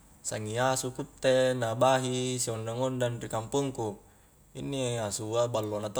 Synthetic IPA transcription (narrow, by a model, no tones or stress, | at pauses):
saŋiasukut̪ːenabaɦisiondaŋondanrikampuŋku | inːiasuabalːonat̪o